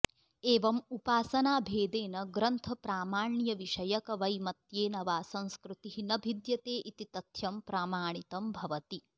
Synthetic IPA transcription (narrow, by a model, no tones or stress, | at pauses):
eːʋɐmupaːsɐnaːbʱeːd̪eːnɐɡɾɐnt̪ʰɐpɾaːmaːɳɳjɐʋiʃɐjɐkɐʋɐjmɐt̪jeːnɐʋaːsɐ̃ñskɾut̪iɦinɐbʱid̪jɐt̪eːʔit̪it̪ɐt̪ʰjɐmpɾaːmaːɳ̃it̪ɐmbʱɐʋɐt̪i